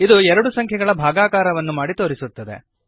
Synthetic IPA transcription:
id̪uɛɾɐɽusɐŋkʰjɛɡɐɭɐbʱaːɡaːkaːɾɐʋɐnːumaːɽit̪oːɾisut̪ːɐd̪e̞̰

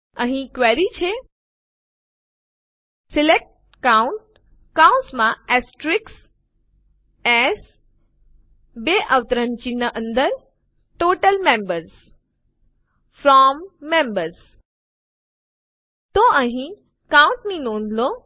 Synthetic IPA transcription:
ə̃ɦĩkʋɛɾit͡ɕʰe | sɪlek̚ʈ | kauɳʈ̚ | kaũnsmãɛsʈɾɪks | ɛs | beʔəʋt̪əɾənt͡ɕinəʔə̃nd̪əɾ | ʈoːʈəlmẽmbəɾs | fɾɔmːẽmbəɾz | t̪oʔə̃ɦĩ | kãũɳʈnĩnõːnlo

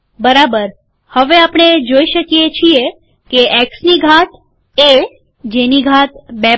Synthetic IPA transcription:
bəɾabəɾ | həʋeapɽɳ̃ed͡ʒoiʃəkjet͡ʃʰie | keʔeksniɡʱat̪ | e | d͡ʒeniɡʱat̪bɛ

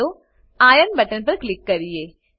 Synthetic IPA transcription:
oː | aːjənbɐʈənpɐɾklɪkːɐɾijeː

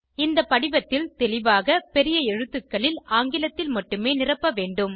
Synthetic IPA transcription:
ɪnd̪ɐpːɐɽɪʋɐt̪ːɪlt̪ɛlɪʋaːɣɐpɛɾɪjɐɛɻɯt̪ːɯkːɐɭɪlaːŋɡɪlɐt̪ːɪlmɐʈːɯmeːnɪrɐpːɐʋeːɳɖɯm

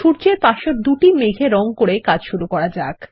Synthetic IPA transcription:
ʃuɾt͡ɕeɾpaʃoɾd̪uʈimeɡʱeɾɔŋkoɾekad͡ʑʃuɾukɔɾad͡ʑak

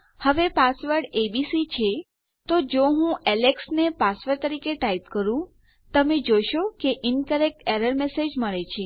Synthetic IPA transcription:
həʋepasʋəɾɖebisit͡ʃʰe | t̪od͡ʒoɦũɛleksnepasʋəɾt̪əɾikeʈait̪kəɾũ | t̪əmed͡ʒoʃokeʔɪnkəɾek̚ʈeɾəɾmesed͡ʒməɭet͡ʃʰe

